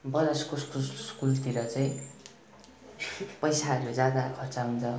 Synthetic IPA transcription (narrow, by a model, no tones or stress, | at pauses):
bʌɾʌskoskuskult̪iɾʌt͡sajĩ | pʌjsaʌɾud͡zjad̪akʰʌrt͡saɦunt͡sʰʌ